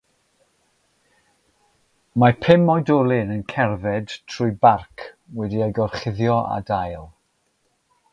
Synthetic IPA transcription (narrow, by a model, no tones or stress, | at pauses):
mapʰɪmɔjdɔlˠɪnənkʰɛrvɛd̥tʰrʊjbarkʰwɛdiajɡɔrχɪðjɔa̰dajlˠ